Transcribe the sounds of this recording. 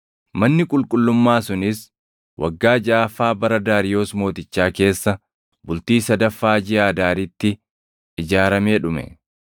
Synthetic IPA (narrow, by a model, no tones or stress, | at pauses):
mɐnːɪkʼʊlkʼʊlːʊmːaːsʊnɪs | wʔɐ̰ɡːaːd͡ʒaːfaːbɐɾɐd̪aːɾɪjo̞ːsmo̞ːt̪ɪt͡ʃːaːke̞ːsːɐ | bʊlt̪iːsɐd̪ɐfːaːd͡ʒɪaːd̪aːɾɪt̪ːɪ | ɪd͡ʒaːɾɐmeːᶑʊmɛ̰